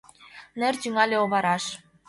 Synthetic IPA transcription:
nɘ̆rt͡ɕyŋɑlʲeoβɑɾɑʃ

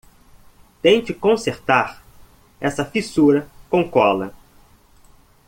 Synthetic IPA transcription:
t̪ẽj̃t͡ʃɪkõseɾt̪aɾ | ɛsɐfisuɾɐkõkɔlɐ̰

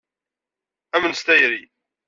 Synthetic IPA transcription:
æmənst̪æjɾi

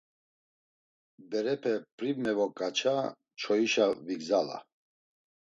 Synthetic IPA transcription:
bɛɾɛpʰɛpʼɾivmɛvɔkʼat͡ʃʰa | t͡ʃʰɔiʃaviɡzala̰

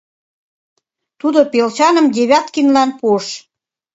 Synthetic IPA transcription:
t̪ud̪opelt͡ɕɑnə̆md̪ʲeβʲɑt̪kinlɑnpuəʃ

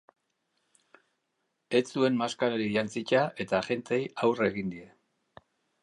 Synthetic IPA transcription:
e̞t͡sue̞nmaskaɾaɾiʝant͡sit͡ʃaʔe̞t̪aʝe̞nt̪e̞jawre̞ɣind̪ie̞

